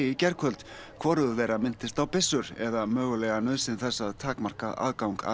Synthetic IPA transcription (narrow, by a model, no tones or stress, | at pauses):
ɪcɛɾkʰœlt̪ | kʰvɔɾʏðʏvɛːɾamɪn̥t̪ɪst̪awpɪsːʏɾ̥ɛðamœːɣʏlɛːɣanœðsɪnθɛsːaðt̪ʰaːkmar̥kaða̰ːðkawŋka̰